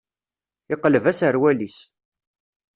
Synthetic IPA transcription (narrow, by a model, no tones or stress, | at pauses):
ɪqːləvæsəɾwælis